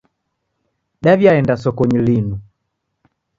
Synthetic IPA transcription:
ɗavjaɛndasɔkɔɲilinu

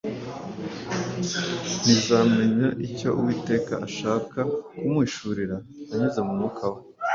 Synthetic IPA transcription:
n̥izaːme̞ɲaʔico̞ʔuwiːte̞ːkaʔːʃaːkakumŋiːʃuɾiɾa | aɲuzemumukʰawe

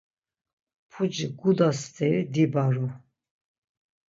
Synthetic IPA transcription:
pʰud͡ʒiɡud̪ast̪ʰɛɾid̪ibaɾu

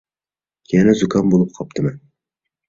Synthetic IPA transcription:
jɛnɛzʊkʰɑnbolˠɨp̚qʰɑp̚t̪ʰɨmɛn

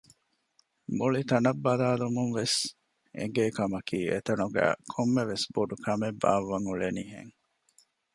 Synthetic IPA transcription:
muɭit̪ɐnɐbːɐlaːlumunʋes | ʔḛɡeːkɐmɐkʰiːḛt̪ɐnuɡæ̰ːkʰomːeʋesboɖukʰɐmebːa̰ːʋːɐŋuɭeniːɦḛŋ

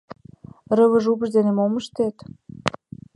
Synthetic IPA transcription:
rəβə̆ʒupə̆ʒd̪enemoməʃt̪et̪

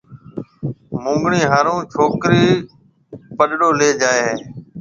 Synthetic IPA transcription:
mʊ̃ːŋɡɳiːɦaːɾũːt͡ʃʰoːkɾiː | pəɗɽoːleːd͡ʒaːeːɦeː

